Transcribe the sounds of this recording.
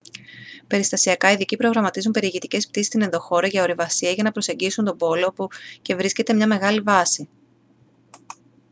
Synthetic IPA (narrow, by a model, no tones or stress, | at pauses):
pe̞ɾist̪ɐsiɐkɐiðicipɾo̞ɣɾɐmɐt̪izumpe̞ɾieʝit̪ice̞spt̪isist̪ine̞nðo̞xo̞ɾɐʝɐo̞ɾivɐsiɐʝɐnɐpɾose̞ɲɟisunt̪o̞bo̞loopuce̞vɾisce̞t̪e̞mɲɐme̞ɣɐlivɐsi